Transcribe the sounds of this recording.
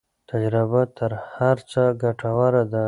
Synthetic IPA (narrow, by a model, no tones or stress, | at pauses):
t̪ad͡ʒɾɪbat̪ʰəɾhaɾt͡səɡaʈawaɾad̪a